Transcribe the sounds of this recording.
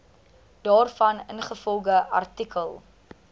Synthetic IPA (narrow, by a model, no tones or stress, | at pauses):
d̥ɑːrfɐnənχəfɔlˠɡəɐ̰rtikʰəlˠ